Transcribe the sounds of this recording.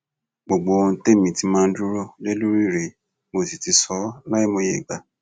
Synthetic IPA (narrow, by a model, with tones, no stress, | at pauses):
ɡ͡bo˨ɡ͡bo˧o˧˦te˦˨mĩ˨ti˧˦mãː˦˧n̩˦du˦ɾo˦le˦lu˦ɾi˦˨ɾe˨ | mo˨˧˨si˨ti˨˦sɔ˨˦la˦i˦mo˧je˦˨ɡ͡ba˨˦